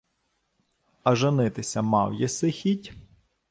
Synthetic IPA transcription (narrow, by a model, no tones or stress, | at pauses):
ɐʒɪnɪt̪ɪsʲɐmɑwjɛsɪxʲitʲ